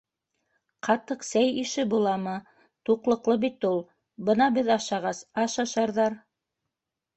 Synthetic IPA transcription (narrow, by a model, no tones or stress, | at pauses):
qʰɑt̪ɤqsæjiʃɘbulˠɑmɤ | t̪uqlˠɤ̆qlˠɤbit̪ulˠ | bɤnɑbɘðɑʃɑʁɑsɑʃɑʃɑɾðɑɾ